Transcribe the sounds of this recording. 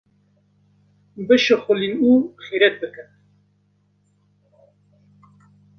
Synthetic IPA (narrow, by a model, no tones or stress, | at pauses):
bɨʃɨxʊlinuːxiɾɛt̪̚bɨkɨn